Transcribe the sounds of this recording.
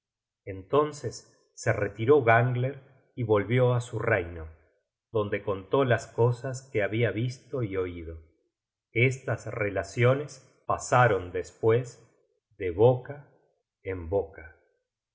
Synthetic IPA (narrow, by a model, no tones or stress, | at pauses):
ent̪o̞nsesː | eret̪iɾo̞ɣaŋɡleɾ | iβo̞lβjo̞asurejno | ðo̞nd̪e̞ko̞nt̪o̞lasko̞saskeaβiaβist̪o̞io̞ið̞o̞ | est̪asrelasjones | pasaɾo̞nd̪espwez | ðeβoka | emboka